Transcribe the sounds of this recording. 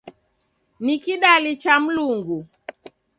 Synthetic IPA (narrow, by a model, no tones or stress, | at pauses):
nikiɗalit͡ʃam̩luŋɡu